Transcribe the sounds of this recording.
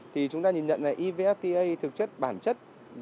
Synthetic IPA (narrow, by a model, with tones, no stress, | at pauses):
t̪ʰi˨˩t͡ɕʊ˨˦ŋ͡mt̪aː˧ɲi˨˩nɲə̰˧˨naː˨˩ʔi˧ve˧ʔɛ˦˥f̚t̪i˧ʔə˧jt̪ʰɨ˨˩k̚t͡ɕə˦˥t̚ɓaː˧˩nt͡ɕə˦˥t̚ | v